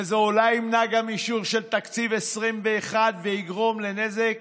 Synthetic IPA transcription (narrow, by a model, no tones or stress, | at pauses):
ezeolaimnaɡamiʃuʁʃe̞lt̪akt͡sivesʁimbeːχad̪veiɡʁo̞mlenezek